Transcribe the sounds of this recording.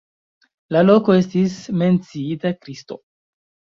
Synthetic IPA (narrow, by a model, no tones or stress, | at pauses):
lalo̞ko̞e̞stisme̞nt͡siitakɾisto̞̰